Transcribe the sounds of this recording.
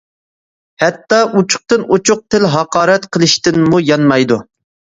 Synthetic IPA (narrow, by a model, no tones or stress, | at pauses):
hɛt̪ːɑʔut͡ʃʰʊ̥q̚t̪ɨnut͡ʃʰʊq̚t̪ʰɪlɦɑqɑːɾɛt̪qʰəlˠɨʃt̪ɪnmujɑnmɑjd̪u